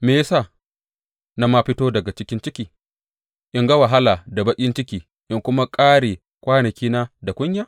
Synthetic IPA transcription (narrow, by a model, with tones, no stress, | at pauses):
meː˨ja˦sa˦˨ | na˦ma˦ɸɪ˦toː˦dɐ˨ɡa˨t͡ʃɪ˦kʲɪ˦nt͡ʃɪ˦kʲiː˨ | ʔɪ˦ŋɡɐ˦wa˨ɦa˦laː˨da˨bɐ˦kʲʼɪ˦nt͡ʃɪ˦kʲiː˨ | ʔɪ˦ŋkʷʊ˦ma˦kʼaː˦ɽeː˨ | kʷaː˦nɐ˨kʲiː˦na˦da˨kʷʼʊ˦ɲjaː˦